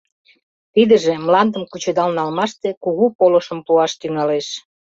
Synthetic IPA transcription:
t̪id̪ə̆ʒĕmlɑnd̪əmkut͡ɕed̪ɑlnɑlmɑʃt̪ekuɣupoləʃəmpuɑʃt̪yŋɑleʃ

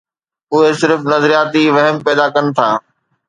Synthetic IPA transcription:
ʊɦesɪɾfnɐzɾijaːt̪iʋɐɦəmpɛːd̪akɐnɪ̆t̪ʰaː

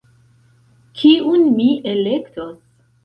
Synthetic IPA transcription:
kʰiunmiʔelektos

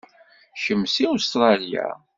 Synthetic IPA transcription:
ʃəmːsiust̪ɾˤɑlja̰

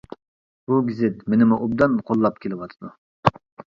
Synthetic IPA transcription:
b̥uɡʲizɪt̪menɪmuʔubd̪ɑnqʰolˠːɑp̚kʲʰelɪwɑt̪ʰɨd̪u

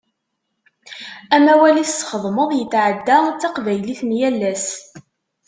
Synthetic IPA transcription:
æmæwælisːχəðˤməðˤjət͡sːʕəd̪ːat͡sːɑqvæjliθmjælːæs

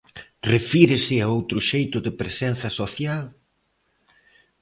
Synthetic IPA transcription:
refiɾɪsɪaowt̪ɾʊʃejt̪ʊðɪpɾesɛnθɐsoθjal

